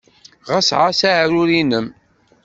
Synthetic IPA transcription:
ʁasʕasaʕɾʊɾinəm

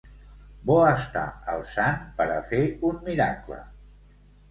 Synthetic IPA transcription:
bɔəst̪a̰ə̰lˠsanpəɾəfeummiɾaklə̰

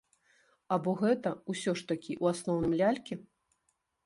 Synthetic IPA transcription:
abɔɣɛt̪ɐusʲɔʂt̪ɐkʲiʔuasnɔwnɨmlʲalʲkʲɛ

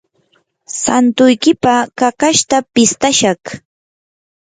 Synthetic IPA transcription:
sant̪ʊjkɪpakakaʃt̪apɪst̪aʃɑχ

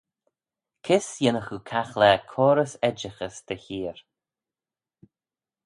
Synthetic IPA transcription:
kʰɪsjɪnəxukʰaxlɛːkʰɔːɾəsɛd͡ʒəxəsd̪̥əçiːɹ

